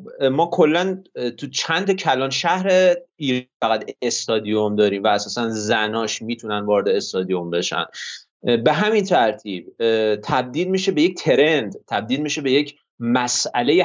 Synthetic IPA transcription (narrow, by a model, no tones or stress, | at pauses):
mɒːkʰo̞lːænt̪ʰut͡ʃʰænt̪ʰɒcʰælɒːnʃæhɾeiːɾfæɣæd̪est̪ɒːd̪ijomd̪ɒːɾiːmvæːsɒːsænzænɒːʃmiːt̪ʰunænvɒːɾed̪eːst̪ɒːd̪ijo̞mbe̞ʃæ̰n | be̞ɦæmint̪ʰæɾt̪ʰiːb̥̚t̪ʰæb̚d̪iːlmiːʃebe̞jec̚t̪ʰe̞ɾend̪t̪ʰæb̚d̪iːlmiːʃe̞be̞je̞cʰ | mæsæle̞je